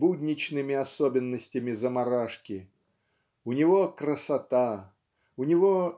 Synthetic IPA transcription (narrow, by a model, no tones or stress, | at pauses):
budʲnʲɪt͡ɕnɨmʲɪɐsobʲɪnːəsʲtʲɪmʲɪzəmɐɾaʂkʲɪ | ʊnʲɪvo̞krəsɐt̪a | ʊnʲɪvo